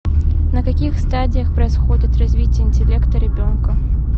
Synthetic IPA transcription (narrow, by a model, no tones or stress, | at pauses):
nəkɐkʲixst̪adʲɪjəxpɾəɪsxodʲɪt̪rɐzʲvʲitʲɪjəɪnʲtʲɪlʲe̞kt̪əɾʲɪbʲo̞nkə